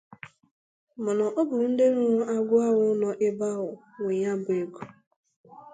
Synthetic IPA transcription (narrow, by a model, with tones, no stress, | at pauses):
mʊ˨nɔ˨ʔɔ˦bʊ˨ɾʊ˨n̩˦de˦ɾʊ˦ɾʊ˦ʔa˦ɡʷʊ˦a˦ɣʊ˦nɔ˨ʔɪ˦ba˦ɣʊ˨ | wʷe˨ɲa˦bʊ˨e˨ɡu˨